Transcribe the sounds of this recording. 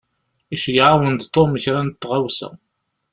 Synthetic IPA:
iʃjʕawənd̪t̪ˤːoməçɾænt̪ːʁawsæ̰

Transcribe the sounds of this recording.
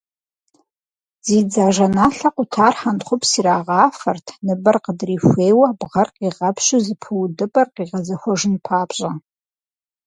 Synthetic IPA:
zid͡zaːʒɐnaːɬɐqʷʊtʰaːrħanχʷʊpʰsiɾaːʁaːfɐrtʰnɨbɨrqədrifʷejwɐbʁɐrqiʁɐpʰʃɪzɨpʰɨwdɨbʼɐrqiʁɐzɐxʷɔʐɨnpʰaːbɕʼa

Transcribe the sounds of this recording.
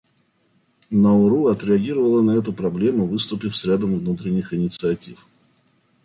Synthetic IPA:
nəʊɾuɐt̪ɾʲɪɐɡʲiɾəvəlˠənɐɛt̪ʊpɾɐblʲe̞mʊvɨst̪ʊpʲɪfsɾʲad̪əmvnut̪ɾʲɪnʲːɪxɪnʲɪt̪sɨɐtʲif

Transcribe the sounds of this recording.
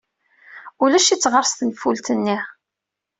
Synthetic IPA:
ulæʃit͡sːʁəɾˤsθənfult̪ənːi

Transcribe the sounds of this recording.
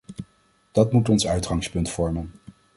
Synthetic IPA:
d̥ɑtmutɔnsœɥtχɑŋspɵntfɔɹmən

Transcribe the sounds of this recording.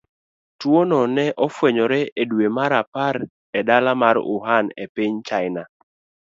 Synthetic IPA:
twonɔnɛʔɔfwɛɲɔɾɛʔedwemaɾapaɾ | ɛdalamaɾʊ̰ɦanḛpiɲt͡ʃaɪna

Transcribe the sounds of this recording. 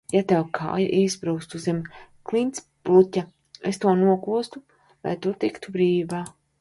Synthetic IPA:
jat̪ɛwkʰa̰ːja̰ʔisbɾuːkst̪uzemʲ | klˠint̪s | plˠutʲa | est̪uɔnuɔkuɔst̪u | la̰jt̪ut̪ikt̪ubɾiːvaː

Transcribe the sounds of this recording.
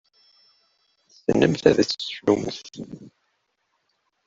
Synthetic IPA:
sənːəmθæðæt͡sːsluməθ

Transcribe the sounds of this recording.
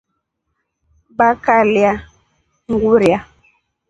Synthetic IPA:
bakalja | ŋɡuɾia

